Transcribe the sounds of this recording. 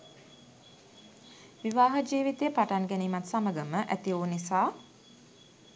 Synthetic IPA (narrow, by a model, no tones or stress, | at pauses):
ʋiʋaːɦəd͡ʒiːʋit̪ejəpaʈanɡɛniːmat̪saməɡəməʔæ̰t̪ioːnisaː